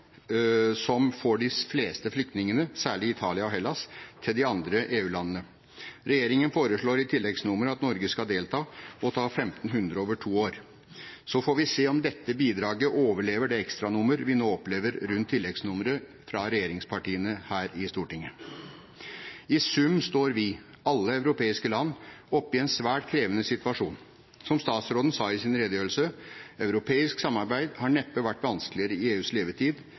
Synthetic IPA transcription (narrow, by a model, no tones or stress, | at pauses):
sɔmfɔɖɪfleːst̪əflʏk̚t̪nɪŋənəsæːɭɪɪt̪ʰɑːlɪɑɔɦɛlːɑst̪ʰɪld̪ɪɑnd̪ɾəʔeːʉːlɑnːənə | ɾɛjeːɾɪŋənfoːɾəʂɭoːɾɪt̪ʰɪlːɛɡsnʊməɾəɑt̪nɔɾɡəskɑd̪eːlt̪ʰɑːɔt̪ʰɑːfɛmt̪n̩ɦʉnd̪ɾəoːʋəʈʰuːoːɾ | sɔfoːɾʋɪseːɔmd̪ɛt̪ːəbiːd̪ɾɑːɡəʔoːʋəɭeːʋəɖɛɛkst̪ɾɑnʊməɾʋɪnoːɔpleːʋəɾɾʉnt̪ʰːɪlːɛɡsnʊmɾə | fɾɑɾɛjeːɾɪŋspʰɑʈiːənəhæːɾɪst̪uːʈɪŋːə | ɪsʉmːst̪oːɾʋɪ | ɑlːəœʉɾʊpeːɪskəlɑnːɔpːɪɛnsʋæːʈkʰɾeːʋənəsɪt̪ʋɑʂuːn | sɔmst̪ɑːt̪sɾoːd̪n̩sɑːɪsɪnɾed̪əjøːɾl̩səœʉɾʊpʰeːɪsksɑmːɑɾbæɪd̪hɑɳɛpːəʋæʈːʋɑnsklɪəɾəɪeːʉːsleːʋət̪ʰiːd̪